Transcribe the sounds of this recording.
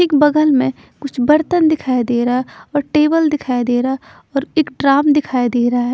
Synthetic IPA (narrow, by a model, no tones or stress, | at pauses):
ɪkbɐɡəlmẽ | kʊt͡ʃʰbɐɾt̪ənd̪ɪkʰaːid̪eːɾaɦaɔːɾʈeːbəld̪ɪkʰaːjd̪eːɾaɦa | ɔːɾeːkɖɾaːmd̪ɪkʰaːid̪eːɾɐɦaɦɛː